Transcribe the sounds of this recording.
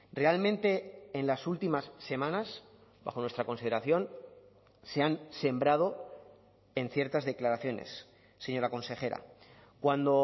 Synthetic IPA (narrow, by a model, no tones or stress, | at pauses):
re̞almẽnt̪e̞ːnlasult̪imasːe̞mãnas | ba̰xo̞nwe̞st̪ɾako̞nsiðeɾaθjo̞n | se̞anse̞mbɾað̞o̞ | e̞nθje̞ɾt̪azðe̞klaɾaθjo̞ne̞̰sː | e̞ɲo̞ɾako̞nse̞xe̞ɾa̰ | kwand̪o̞